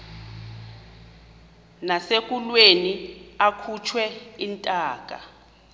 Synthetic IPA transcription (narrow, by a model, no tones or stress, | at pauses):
nasek̬ʼulweniakʰut͡ʃʰwɛintʼaːkʼa̰